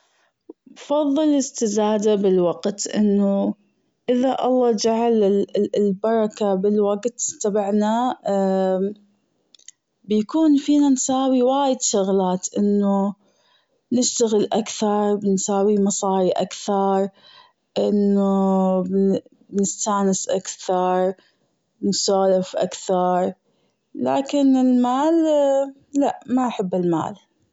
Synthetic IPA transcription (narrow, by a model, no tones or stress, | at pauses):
bfɑðˤːɨlɪst̪ɪzaːd̪abɪlwɑɡt̪ʔɪnːu | ʔɪðaʔɑlˤːɑd͡ʒaʕalɪlbɑɾˤɑkabɪlwaɡt̪t̪ːabaʕna | bjakuːnfiːnansaːwiwaːjɪd̪ʃʊɣlaːt̪ʔɪnːu | nɪʃt̪aɣɪlʔakθɑɾˤbɪnsaːwimɑsˤɑːɾiʔakθɑɾˤ | ʔɪnːub | bnɪst̪aːnɪsʔakθɑɾˤ | nsaːlɪfʔa̰kθɑɾˤ | la̰ːkɪnɪlmaːlː | aʔmaʔaħabːɪlma̰ːl